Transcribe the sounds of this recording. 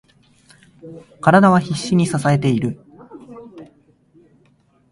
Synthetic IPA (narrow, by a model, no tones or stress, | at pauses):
kaɾad̪aβ̞açiɕːiɲ̟isasae̞t̪e̞iɾɯ̟